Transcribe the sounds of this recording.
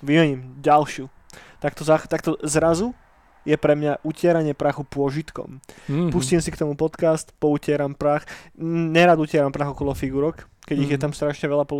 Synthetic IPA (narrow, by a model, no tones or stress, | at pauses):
ʋimɛɲiːmɟalʃɪu | t̪ak̚t̪ɔzat̪ak̚t̪ɔzɾazu | jɛpɾɛmɲaʔucɪɛɾaɲɪɛpɾaːxupʊɔʒit̪kɔ̰mpuscimsikt̪ɔmupɔt̪kast̪pɔucɪɛɾampɾaːxɲɛɾaːd̪ucɪɛɾampɾaːɣɔkɔlɔfiɡuɾɔk | kɛɟiɣjɛt̪amst̪ɾaʃɲɛʋɛʎapɔ